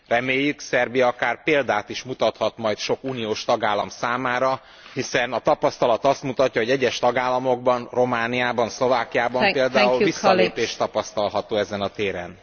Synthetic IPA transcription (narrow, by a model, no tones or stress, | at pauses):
rɛmeːjːyksɛrbijɒɒkaːrpeːld̪aːt̪iʃmut̪ɒt̪hɒt̪mɒjt̪ʃo̞kuːnijoːʃt̪ɒɡaːlːɒmsaːmaːɾɒ | hisɛnɒt̪ɒpɒst̪ɒlɒt̪ɒst̪mut̪ɒcːɒɦo̞ɟɛɟːɛʃt̪ɒɡaːlːɒmo̞ɡ̚bɒnro̞maːnijaːbɒnslo̞vaːkijaːbɒmpeːld̪aːulvissːɒleːpeːʃt̪ɒpɒst̪ɒlɦɒt̪oːɛzɛnɒt̪eːɾɛ̰n